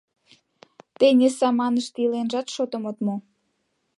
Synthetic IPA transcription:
t̪enʲesɑmɑnəʃt̪ilenʒɑt̪ʃot̪ə̆mot̪mo

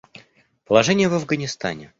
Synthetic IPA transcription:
pəlˠɐʐɛnʲɪjəvɐvɡənʲɪst̪a̰nʲɪ

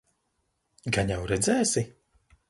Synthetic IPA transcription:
ɡaɲawɾɛd̪zɛːsi

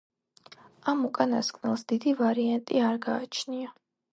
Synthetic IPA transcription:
amukʼanaskʼnɛlˠsd̪̥id̪ivaɾiant̪ʼiaɾɡaːt͡ʃʰnia

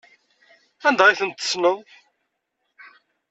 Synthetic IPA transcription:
ænd̪ʁiθənt̪ːə̥snʊ

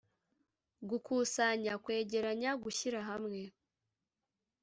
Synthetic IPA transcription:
ɡukuːsaɲakwe̞ːɟe̞ɾaɲaɡuçiɾaɦamŋe̞

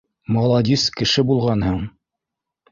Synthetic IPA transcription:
mɑlˠɑd̪ʲiskɘ̆ʃɘbulˠʁɑnhɤɴ

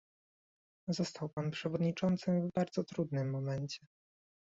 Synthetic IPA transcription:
zɔst̪ʰawpanpʂɛvɔd̪ɲit͡ʂɔnt̪sɘvbaɾd̪zɔt̪ɾud̪nɘmːɔmɛnt͡ɕɛ

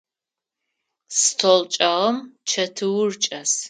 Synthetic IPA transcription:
stʰolt͡ʃʼɐʁɐmt͡ʃʰɐtʰɨwʊrt͡ʃʼɐs

